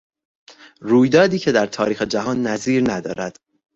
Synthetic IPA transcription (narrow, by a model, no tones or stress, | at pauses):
ruːjd̪ɒːd̪iːcʰe̞d̪æɾt̪ʰɒːɾiːxed͡ʒæɦɒːnːæziːɾnæd̪ɒ̰ːɾæd̪̥